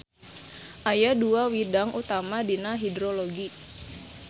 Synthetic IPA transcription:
ʔajaduawidaŋʔut̪amadinaɦidɾoloɡi

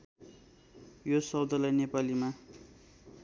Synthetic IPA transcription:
josʌwd̪ʌlʌjnepalima

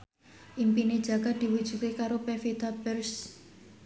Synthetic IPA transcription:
ʔimpined̥ʒ̥a̤ɡad̪̥i̤wud̥ʒ̥ṳkekaɾopefed̪abərs

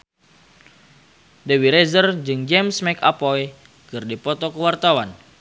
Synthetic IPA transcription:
dewiɾɛzərd͡ʒɨŋd͡ʒɛmsmɛkapɔj | kɨrdipɔt̪ɔkəwart̪awan

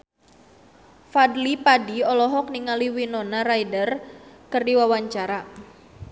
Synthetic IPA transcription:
fadlipadiɔlɔɦɔk̚niŋaliwinɔnarajdərkərdiwawaɲt͡ʃaɾa

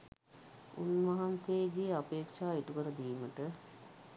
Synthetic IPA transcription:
ṵnmɐɦamseːɡeːapeːkʂaːeʈukəɾəd̪iːməʈə

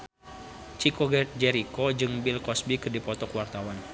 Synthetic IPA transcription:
t͡ʃikɔd͡ʒɛɾikɔd͡ʒɨŋbilkɔsbikɨrdipɔt̪ɔkwart̪awan

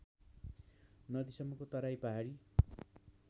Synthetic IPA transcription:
nʌd̪isʌmːʌkot̪ʌɾajpʌɦaɾi

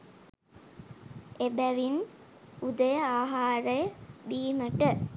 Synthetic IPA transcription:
ebæʋin | ud̪əjəaːɦaːɾəjəbiːməʈə

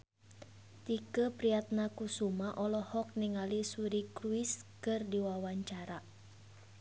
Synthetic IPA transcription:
t̪ikəpɾiat̪̚nakusumaʔɔlɔhɔk̚niŋalisuɾikɾuɪskɨrdiwawaɲt͡ʃaɾa

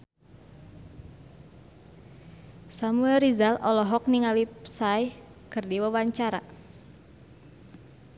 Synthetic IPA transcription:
samuɛlrizalɔlɔɦɔk̚niŋalip̚sajh | kɨrdiwawaɲt͡ʃaɾa̰

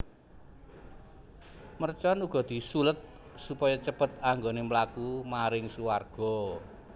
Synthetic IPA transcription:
mərt͡ʃɔnuɡ̥ɔ̤d̪̥i̤sulət̪̚ | supɔjɔt͡ʃəpət̪aŋɡonemlakumaɾɪŋsuwarɡ̥ɔ̤

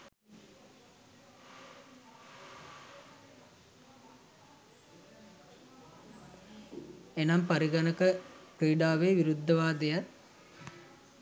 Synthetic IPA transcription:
enɐmpɐɾiɡɐnɐkəpɾiːɖaːʋeːʋiɾud̪ʱːɐʋaːd̪ejɐt̪

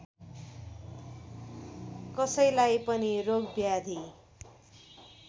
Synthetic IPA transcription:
kʌsʌjlajpʌniroɡbjad̪ʱi

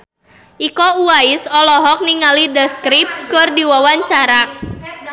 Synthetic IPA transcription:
ʔikɔuaɪsɔlɔɦɔk̚niŋalidəskɾip̚kɨrdiwawaɲt͡ʃaɾa

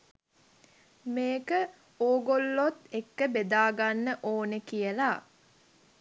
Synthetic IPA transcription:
meːkə | oːɡolːot̪ekːəbed̪aːɡanːəʔoːnəkijəla

